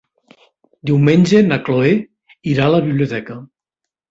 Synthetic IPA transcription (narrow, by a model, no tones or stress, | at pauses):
d̪iwmenʲd͡ʒenakloe | iɾalaβiβljut̪ɛkə